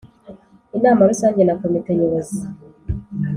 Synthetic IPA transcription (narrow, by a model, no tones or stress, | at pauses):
inaːmaɾisaːɲɟenakomiteɲeɾezi